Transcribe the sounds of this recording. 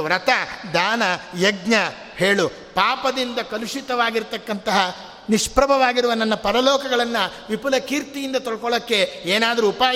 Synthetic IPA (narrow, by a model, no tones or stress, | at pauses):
ʋɾɐt̪ɐd̪aːnɐjeɡɲɐ | he̞ːɭu | paːpɐd̪ind̪ɐkɐluʂit̪ɐʋaːɡiɾt̪ɐkːɐnt̪ɐɦɐ | niʂpɾɐbʱɐʋaːɡiɾuʋɐnɐnːɐpɐɾɐlɔːkɐɡɐɭɐnːɐ | ʋipulɐkiːɾt̪ijind̪ɐt̪ɔɭkɔɭokːe̞eːnaːd̪ɐɾuːpaː